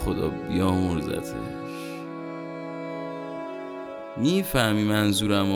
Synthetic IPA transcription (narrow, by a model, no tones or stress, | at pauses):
xod̪ɒ̰ːbijɒːmoɾzæ̰t̪ʰḛ | ʃ | miːfæhmiːmænzuːɾæm